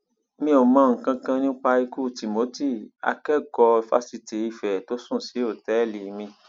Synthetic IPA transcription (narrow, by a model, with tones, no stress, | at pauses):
mĩ˧o˨mã˨˧ŋ̩˨kã˧kã˧nĩ˦k͡pa˧i˧ku˦˨ti˨mo˨˦ti˦˨a̰˧kɛ˦˨ɡɔ˧fa̰˧˦si˧ti˨i˧fɛ˨to˨˦sũ˦˨si˨˦o˦˨tɛ˨˦˨li˨˦mĩ˧